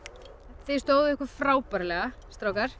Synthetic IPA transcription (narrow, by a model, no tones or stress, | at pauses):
θejst̪oːwðʏɪhkʏɾfɾaːwpaɾlɛːɣast̪ɾaːwkaɾ̥